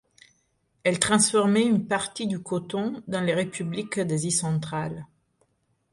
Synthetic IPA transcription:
ɛlt̪χɑ̃sfɔʁmɛynpaʁt̪id̪ykɔt̪ɔ̃d̪ɑ̃leʁepyblikd̪azisɑ̃t̪χal

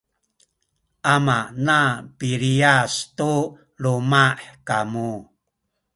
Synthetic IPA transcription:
ʔamanapiɾiastu | lumaħkamu

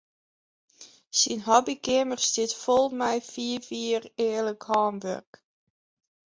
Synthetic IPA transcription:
sinɦɔbikɪmərsdɪtfɔlˠmɛjfiəviːəreːləkhɑːmʋø̰rk

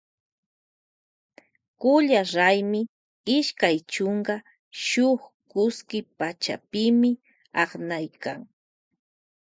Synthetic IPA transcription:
kʊʎaɾajmɪ | ɪʃkajt͡ʃoɴɢɑ | ʃʊχ | kʊskɪpat͡ʃa̰pɪmɪ | ɑχnajka̰ŋ

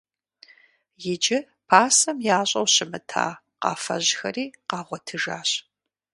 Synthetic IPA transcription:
jɪd͡ʒɪ | pʰaːsɐmjaːɕʼɐwɕɪmɨtʰa̰ː | qɑ̰ːfɐ̰ʑxɐ̰riːqɑːʁʷɔtʰɨʒaːɕ

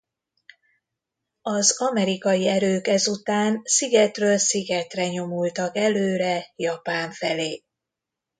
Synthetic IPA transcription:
ɒzɒmɛɾikɒjiɛɾøːkɛzut̪aːnsiɡɛt̪røːlsiɡɛt̪rɛɲo̞mult̪ɒkɛløːɾɛjɒpaːɱfɛleː

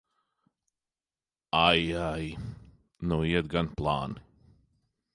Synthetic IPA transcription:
ajaj | nuiɛt̪̚ɡanplˠa̰ːni̥

